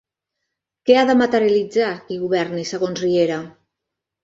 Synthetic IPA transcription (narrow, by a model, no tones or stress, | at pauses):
keaðəmat̪əɾjalid͡zakiɣuβɛrnisəɣ̞onzrieɾa